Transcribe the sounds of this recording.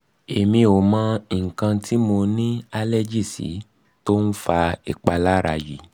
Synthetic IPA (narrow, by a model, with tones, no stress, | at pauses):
e˨mĩ˧o˨mã˦ŋ̩˨kã˧ti˦mo˧nĩ˦a˧lɛ˦d͡ʒi˦˨sḭ˨˦ | to˦n̩˦fa˧ḭ˨k͡pa˧la˦ɾa˧˨jḭ˨˦